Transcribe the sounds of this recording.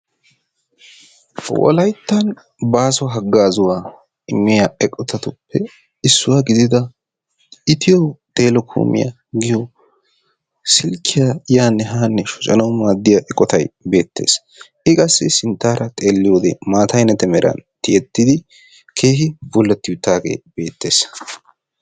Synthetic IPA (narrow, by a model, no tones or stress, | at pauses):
wɔ̰lɐjt̪ːɐn | baːsɔɦɐɡːaːzʊwaː | ɪmːɪjaɛkʼːɔt̪ɐt̪ʊpʰːɛ | ɪsːʊwaːɡɪd̪ɪd̪ɐ | ɪt̪ɪjɔt̪ʼe̞ːlɔkʰṵːmɪ̰jɐ̰ | ɡɪjɔ | sɪlkʰːɪjajaːnːɛɦaːnːɛʃʊt͡ʃʼɐnɐwmaːd̪ːɪjaʔɛkʼːɔt̪ɐjbe̞ːt̪ːe̞̰ːs | ɪkʼɐsːɪsɪnt̪ːaːɾɐt̪ʼe̞ːlːɪjoːd̪eːmaːt̪ɐjnɐt̪ɛmɛɾʔɐ̰nt̪ɪjɛt̪ːɪd̪ɪ | kʰe̞ːɦɪbʊlːɐt̪ːɪjʊt̪ːaːɡḛːb̥e̞ːt̪ːe̞ːs